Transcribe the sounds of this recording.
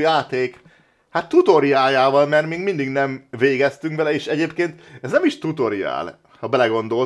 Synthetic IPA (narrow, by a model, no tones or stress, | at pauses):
jaːt̪eːk | hat̪ːut̪o̞ɾiaːjaːvɒlmɛrt̪miːɡmind̪iɡnɛmveːɡɛst̪yŋkvɛlɛeːʃɛɟeːpkeːnt̪ɛznɛmiʃt̪ut̪o̞ɾia̰ːl | hɒbɛlɛɡo̞nd̪o̞l